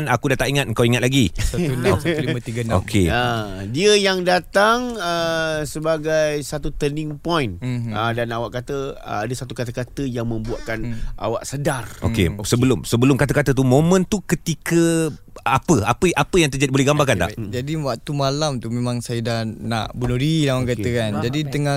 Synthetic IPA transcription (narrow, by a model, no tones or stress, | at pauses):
nakudat̪aʔiŋat̪̚əŋkawiŋat̪̚laɡisat̪unsimat̪iɡanao̰kʰeədiəjaŋdat̪aŋəsəbaɡajsat̪ut̪ənɪŋpɔjnədanawaʔkat̪əəadəsat̪ukat̪əkat̪əjaŋmə̃mbuaʔkanʔa̰waʔsədarʔo̰kḛsəbəlʊmsəbəlʊmkat̪əkat̪ət̪̬umõmə̃nt̪ukət̪ikə | apəapəʔapəjaŋt̪ərd͡ʒadibolɛhɡambakant̪a̰ʔd͡ʒadiwaʔ̚t̪umalamt̪umemãŋsajədahna̰ʔbunuɾilaaŋkaəkand͡ʒadit̪əŋa